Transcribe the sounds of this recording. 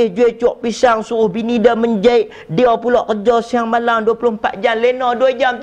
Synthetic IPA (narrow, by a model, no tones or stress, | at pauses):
ɪhd͡ʒuɛt͡ʃɔʔpisaŋsuɣʊhbinidaməɲd͡ʒaɪʔ | diapulɔʔkəd͡ʒɔsiaŋmalamduapulʊhmpa̰t̪̚d͡ʒamlenɔduəd͡ʒamt̪